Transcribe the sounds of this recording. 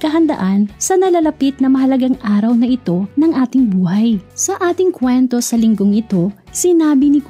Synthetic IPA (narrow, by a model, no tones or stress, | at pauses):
kɐɦɐnd̪ɐ̰ʔansɐnɐlalɐpit̪̚nɐmɐɦɐlɐɡaŋʔaːɾɐwnɐʔɪt̪o̞nɐŋʔaːt̪ɪŋbuːhɐjsɐʔaːt̪ɪŋkwɛnt̪o̞sɐlɪŋɡo̞ŋʔɪt̪o̞ | sɪnaːbɪnɪk